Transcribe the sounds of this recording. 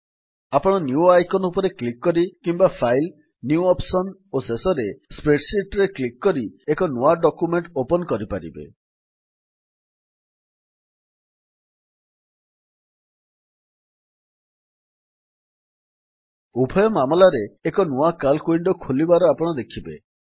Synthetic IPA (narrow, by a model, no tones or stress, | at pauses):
apɔɽ̃ɔnjuajkɔnupɔɾeklikːɔɾikimbapʰajl | njuɔpsɔnosesɔɾespɾeʈsiʈɾeklikːɔɾiekɔnuaɖɔkumeɳʈopɔnɔkɔɾipaɾḭbḛ | ubʱɔjɔmamɔlaɾeːkɔnuakalkuiɳɖɔkʰulibaɾɔapɔɽ̃ɔd̪ekʰibḛ